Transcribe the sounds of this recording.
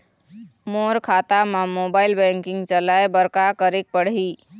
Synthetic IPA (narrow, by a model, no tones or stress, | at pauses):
moːɾkʰaːt̪amãmoːbaːɪlbɛ̃ŋkɪ̃ŋɡt͡ʃəlaebəɾkakəɾik̚pəɽ̤i